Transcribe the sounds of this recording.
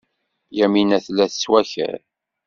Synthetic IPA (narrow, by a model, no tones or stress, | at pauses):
jæminæθlːæθə̥swæçæ̰ɾ